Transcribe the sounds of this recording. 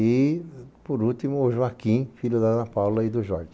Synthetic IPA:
ɪpoɾut̪imʊʒuakĩfilʊd̪aɐpawlɐid̪ʊʒɔɾɡi

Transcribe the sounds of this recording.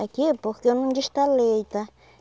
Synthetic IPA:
akepokenũnd͡ʒiʃt̪alejt̪a

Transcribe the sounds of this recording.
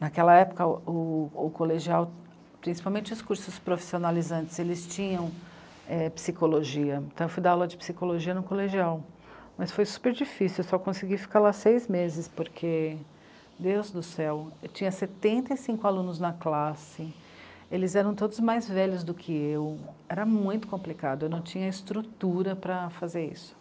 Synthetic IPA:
nakɛlɐɛpʊkɐʊːkoleʒiaw | pɾĩsi̥pawmẽt͡ʃɪʊskuɾsʊspɾofi̥sionalizɐ̃nt͡ʃɪz̥elɪst͡ʃĩɲɐ̃w̃ | ɛpi̥sikoloʒiɐ̃t̪ɐ̃w̃ewfujd̪aawlɐd͡ʒɪpsikoloʒiɐnʊkoleʒiaw | mɐsfojsu̥peɾd͡ʒifisiwsɔkõsɪɡifi̥kalasejzmezɪspoɾkʰe | d̪ewzd̪ʊsɛwet͡ʃĩɲɐset̪ẽnt̪ɐisĩŋkʊalũnʊznɐklasɪ | elɪzɛɾɐ̃w̃t̪od̪ʊzmajzvɛʎʊzd̪ʊkʰɪewɛɾɐmũj̃t̪ʊ̥kõplikad̪ʊewnɐ̃w̃t͡ʃĩɲɐɪst̪ɾut̪uɾɐpɾɐfazeɾḭsʊ̥

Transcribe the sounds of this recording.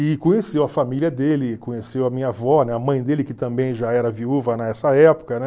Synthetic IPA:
ɪkõɲesewɐfamiliɐd̪elɪkõɲesewɐmĩɲɐvɔnɛɐmɐ̃j̃d̪elɪkɪt̪ɐ̃mbẽj̃ʒaɛɾɐviuvɐnɐɛsɐɛpo̥kɐnɛ

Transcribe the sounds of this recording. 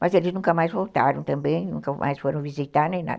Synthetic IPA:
mɐzelɪznũŋkɐmajzvowt̪aɾɐ̃w̃t̪ɐ̃mbẽj̃nũkɐmʔa̰jsfoɾɐ̃w̃vizit̪aɾnẽj̃na̰d̪

